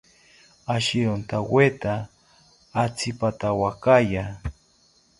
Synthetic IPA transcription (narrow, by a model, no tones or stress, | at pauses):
aʃiɾont̪awet̪aː | t͡sipat̪awakaja